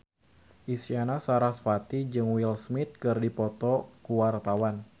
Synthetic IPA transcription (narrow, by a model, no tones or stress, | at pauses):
ʔisianasaɾasfat̪id͡ʒɨŋwilsmɪt̪̚kɨrdipɔt̪ɔkuwart̪awan